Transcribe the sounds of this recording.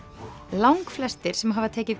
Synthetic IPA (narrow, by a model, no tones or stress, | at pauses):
lawŋkflɛst̪ɪɾ̥sɛmɦavat̪ʰɛːcɪð